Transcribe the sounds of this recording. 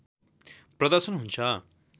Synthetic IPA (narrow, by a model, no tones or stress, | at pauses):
prʌd̪ʌrsʌnɦunt͡sʰʌ